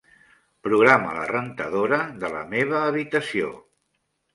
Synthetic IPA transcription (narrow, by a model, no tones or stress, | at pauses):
pɾuɣɾamə̰lə̰rənt̪əðoɾəðələ̰meβ̞əːβit̪əsio̰